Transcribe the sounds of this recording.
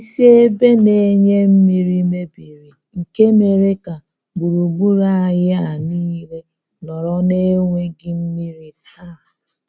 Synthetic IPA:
i˦˨se˦e˦be˦ne˨˦ɲe˦m̩˦mi˦ɾi˦me˦bi˨ɾi˨ | ŋ̩˨ke˦me˨ɾe˦ka˨ | ɡu˨ɾu˨bu˦ɾa˦a˨ɣɪ˦a˨niː˦le˦ | nɔ˨ɾɔ˦ne˦ŋʷe˦ɡɪ˦m̩˦mi˦ɾi˦ta˦˨

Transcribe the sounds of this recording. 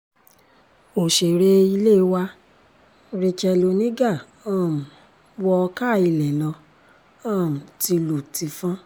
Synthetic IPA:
o˨ʃe˨ɾe˨˦i˧le˦˨˧wa˧ | ɾi˧t͡ʃɛ˧lo˧nĩ˦ɡa˦˨ | ã˦˨m̩˨ | wɔ˧ka˦˨i˧˨lɛ˨nã˧ | ã˦˨ti˧lo˨ti˧fã˦

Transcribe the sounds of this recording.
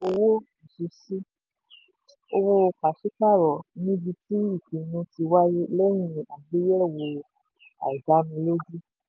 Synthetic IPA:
o˧wo˦ | i˨su˧si˦ | o˧wo˦˧ka˨ʃi˦ka˦˨ɾɔ˨nĩ˦bi˧ti˦i˦˨kĩ˨nũ˧ti˧wa˦ji˦lɛ˦j̃ĩ˧a˨bi˦jɛ˦˨wo˧ | a̰˨i˨ɡa˨˦mĩ˧lo˦di˦

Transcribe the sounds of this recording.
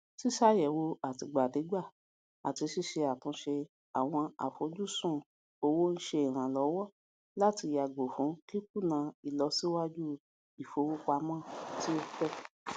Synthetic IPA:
si˦ʃa˦˨jɛ˨wo˧a˨ti˧ɡ͡ba˨de˨˦ɡ͡ba˦˨ | a̰˨ti˧ʃi˦˨ʃe˧a˨tũ˧˦ʃe˧ | a˨w̃ɔ̃˧a̰˨fo˧˦d͡ʒu˦˨sũ˦˨ | o˧wo˦n̩˦ʃe˧i˨ɾ̃ã˨lɔ˨˦wɔ˦ | la˦ti˧ja˨ɡ͡bo˨fũ˨˦ki˦ku˦˨nã˨˧i˨lɔ˧si˦wa˦d͡ʒu˦ | i˨fo˧˦wu˦k͡pa˧mãː˦˨ti˦o˦˧k͡pɛ˦˨

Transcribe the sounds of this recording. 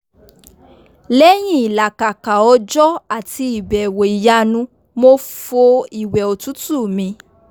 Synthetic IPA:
lɛ˦j̃ĩ˦i˨la˨ka˨ka˨ɔ˧˦d͡ʒɔ˦a˦˨ti˧i˨bɛ˨wo˨i˨ja˧nũ˧ | mo˧fo˧i˨wɛ˨o˨tu˨˦tu˦˨mĩ˧˦

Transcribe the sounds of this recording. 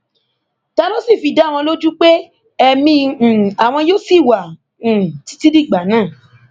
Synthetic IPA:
ta˧lo˦si˦˨fi˧da˨˦˨w̃ɔ̃˧lo˦d͡ʒu˦k͡pe˦ | ɛ˧mĩ˧˨a˨w̃ɔ̃˧joː˦si˦˨wa˨ | ũ˨ti̥˦ti˦di˦˨ɡ͡ba˨˦nãː˦˨

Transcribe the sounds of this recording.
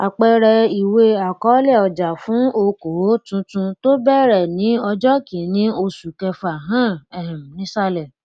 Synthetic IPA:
a̰˨k͡pɛ˧ɾɛ˧i˨we˧a˨kɔ˨˦lɛ˦˨ɔ˨d͡ʒa˨fũ˨˦o˧ko˨˦tũ˧˦tũ˧to˦bɛ˦˨ɾɛ˨nĩ˨˦ɔ˧d͡ʒɔ˦kĩ˨˦nĩ˦o˧su˨kɛ˧fa˨ɦã˦˨ɛ˨hɛ̃˨m˨nĩ˨˦sa˦lɛ˨

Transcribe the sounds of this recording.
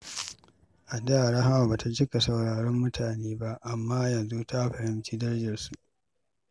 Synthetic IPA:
ʔa˨da˦˨ɽa˦ɦa˦wa˨baː˨ta˦d͡ʒɪ˦ka˨sɐ˨wɽaː˨ɽɔ˦mːʊ˦tʰaː˨neː˦ba˦ʔʔa˨mːaː˦jɐ˨nzu˦ta˦ɸɐ˨ɾɪ˦nt͡ʃiː˦dɐ˦rd͡ʒɪ˨rsu˨ʔ

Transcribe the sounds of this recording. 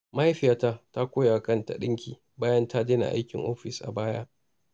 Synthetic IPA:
ma˦a˦ɸɪ˦ja˦ta˦ta˦kʷoː˦ja˨kɐ˦nta̰˨ɗɪ˦ŋkʲʰiː˨ | baː˦jɐ˦nta˦deː˦na̰˨ʔa̰˦jkʲɪ˨ŋʔoː˦ɸɪ˨sʔa̰˨baː˦ja˦ʔ

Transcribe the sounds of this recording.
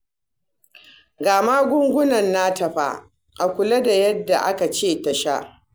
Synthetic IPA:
ɡaː˨ma˦ɡʷʊ˦ŋɡʷʊ˦nɐ˨nːa˦tɐ˨ɸa̰˦ | ʔa˨kʷʊ˨lɐ˦da˨jɐ˦dːa˨ʔa˦ka˨t͡ʃeː˦˨tɐ˨ʃa˦ʔ

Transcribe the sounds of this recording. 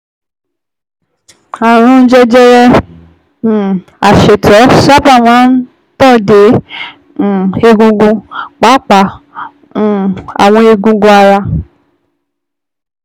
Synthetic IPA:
a˨ɾ̃ũ˧˦d͡ʒɛ˧d͡ʒɛ˧ɾɛ̃˧˨ | a˨ʃe˨tʰɔ˨˦sa˦ba˦˨m̃ãː˨˦n̩˦ | tɔ˦˨dẽ˨˦˨ | e˧ɡũ˧ɡũ˧˨k͡pa˨˦k͡pã˨ | a̰˨w̃ɔ̃˧e˧ɡũ˧ɡũ˧˦a˧ɾa˧

